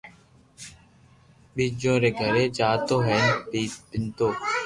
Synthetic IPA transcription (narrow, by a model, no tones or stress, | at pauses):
ɓiːd͡ʒõːɾeːɡʱəɾeːd͡ʒaːt̪oːɦɛːnpiːpɪnt̪oː